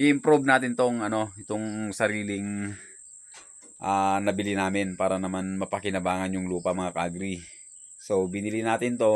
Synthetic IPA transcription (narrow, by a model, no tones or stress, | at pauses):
ʔɪɪmpɾobnaːt̪ɪnt̪o̞ŋɐno̞ɪt̪o̞ŋsɐɾiːlɪŋ | ʔanɐbɪlinaːmɪnpaːɾɐnɐmanmɐpɐkɪnɐbaːŋɐnjʊŋluːpɐmɐŋakaɡɾi | so̞bɪnɪlinaːt̪ɪnt̪o̞